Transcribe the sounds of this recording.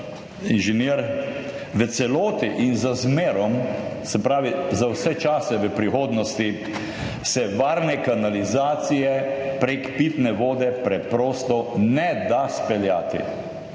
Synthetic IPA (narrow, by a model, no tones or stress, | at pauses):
inʒɛniːɾ | ʋət̪sɛloːt̪iʔinzazmeːɾɔmsɛpɾaːʋizawsɛt͡ʃaːsɛʋəpɾixoːd̪nɔst̪i | sɛʋaːɾnɛkanalizaːt̪sijɛpɾekpiːt̪nɛʋoːd̪ɛpɾɛpɾoːst̪ɔnɛd̪aspɛljaːt̪ḭ